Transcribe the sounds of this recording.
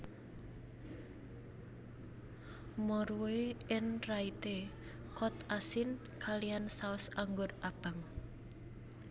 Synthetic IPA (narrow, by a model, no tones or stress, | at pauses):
mɔɾuweɪnrait̪e | kɔt̪asɪn | kaliansaʊsaŋɡʊrʔab̥aŋ